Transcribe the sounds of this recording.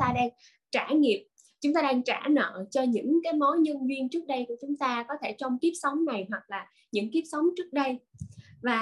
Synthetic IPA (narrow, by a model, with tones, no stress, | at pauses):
aː˧ɗaː˧ŋ | t͡ɕaː˧˩ŋi˨˩əp̚ | t͡ɕʊ˨˦ŋ͡mt̪aː˧ɗaː˧ŋt͡ɕa̰ː˧˩nə̰ː˧˨t͡ɕɔ˧ɲɨ̰˧˥ŋkaː˨˦jmo˨˦jɲə˧nvi˧ənt͡ɕɨ˦˥ək̚ɗə˧jku˧˩ət͡ɕʊ˨˦ŋ͡mt̪aː˧kɔ˨˦t̪ʰe˧˩t͡ɕɔ˧wŋ͡mki˦˥əp̚sə˨˦wŋ͡mna˨˩jɦwa˨˩k̚laː˨˩ | ɲɨ̰˧˥ŋki˦˥əp̚sə˨˦wŋ͡mt͡ɕɨ˦˥ək̚ɗə˧jvaː˨˩